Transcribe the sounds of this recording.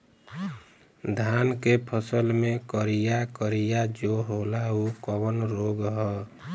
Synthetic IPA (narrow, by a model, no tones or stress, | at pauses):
d̪ʱankepʰəsəlmẽkəɾijakəɾijad͡ʒoɦolaukəwənɾoɡɦɔ